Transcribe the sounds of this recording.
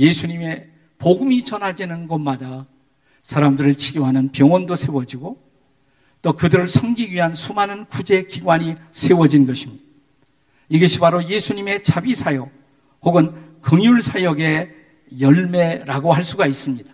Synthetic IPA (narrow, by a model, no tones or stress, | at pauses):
je̞sʰuɲime̞ | poɡɯmit͡ɕʌnɦad͡ʑinɯnɡʌmada | sʰaɾamdɯɾɯɭt͡ɕʰiɡjoɦanɯnpjʌŋwʌndosʰe̞wʌd͡ʑiɡo | t͈okɯdɯɾɯɭsʰʌmɡiɡɥiɦansʰumanɯnkud͡ʑe̞kiɡwaɲisʰe̞wʌd͡ʑinnɡʌɕʰimɲida | iɡʌɕʰibaɾoje̞sʰuɲime̞t͡ɕabisʰajʌɡ̚ | hoɡɯnkɯŋjuɭsʰajʌɡe̞ | jʌɭme̞ɾaɡohaɭs͈uɡais͈ɯmɲid̥ḁ